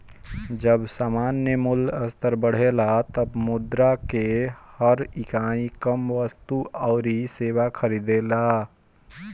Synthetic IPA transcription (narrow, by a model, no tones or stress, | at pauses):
d͡ʒəbsaːmaːnjəmʊləst̪əɾbəɽ̤elat̪əbmʊd̪ɾakehəɾɪkaːĩkəmʋəst̪uɔːɾiseːwakʰəɾiːd̪eːla